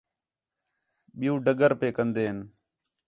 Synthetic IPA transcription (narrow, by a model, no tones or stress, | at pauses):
ɓɪjũːɖəɡəɾpeːkənd̪eːɦən